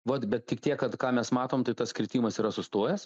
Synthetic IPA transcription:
ʋɐt̪bʲɛt̪̚tʲɪkt̪ʲiɛkkɐt̪kɑːmʲɛsmɑːt̪oːmt̪ɐɪt̪ɐskɾʲɪt̪ʲiːmɐsiːɾɐsʊst̪oːjɛs

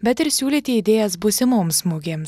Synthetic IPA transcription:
bʲɛt̪ɪɾsʲuːlʲeːt̪ʲɪid̪ʲeːjɛsbʊsʲɪmoːmsmuɡʲeːms

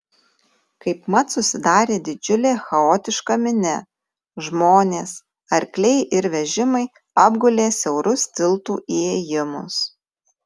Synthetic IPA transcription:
kɐɪpmɐt̪sʊsʲɪd̪ɑːɾʲeːd̪ʲɪd͡ʒʲʊlʲeːxɐoːt̪ʲɪʃkɐmʲɪnʲɛ | ʒmoːnʲeːs | ɐɾʲklʲɛɪʔɪɾʋʲɛʒʲɪmɐɪ | ɐbɡʊlʲeːsʲɛʊɾʊst̪ʲɪlˠt̪uːʔieːjɪmʊs

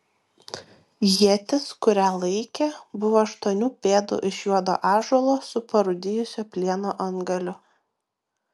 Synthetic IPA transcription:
jiɛt̪ʲɪskʊɾʲæːlˠɐɪkʲebʊʋoːɐʃt̪uɔnʲuːpʲeːd̪ʊ̰ʔɪʃjuɔd̪o̰ːʔɑːʒulˠoːsʊpɐɾʊd̪ʲɪjʊsʲoːpʲlʲiɛnoːʔɐŋɡɐlʲʊ

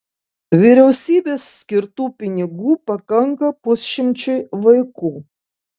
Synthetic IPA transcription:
ʋʲɪɾʲɛʊsʲiːbʲeːsːʲkʲɪɾt̪uːpʲɪnʲɪɡuːpɐkɐŋkɐpʊsʲʃʲɪmʲt͡ʃʲʊɪʋɐɪkuː

